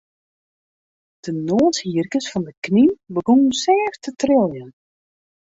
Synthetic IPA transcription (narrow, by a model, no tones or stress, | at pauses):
d̥ənoːshiərkəsfɔndəkninbəɡonənsɛːftətrɪlˠjən